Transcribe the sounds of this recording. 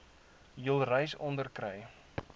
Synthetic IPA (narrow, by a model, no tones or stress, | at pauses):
jəlˠrɛjsɔndərkrɛj